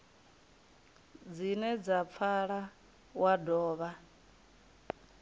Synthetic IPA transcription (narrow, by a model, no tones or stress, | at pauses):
d͡zinɛd͡zap̪fʰaɺa | wadɔːβa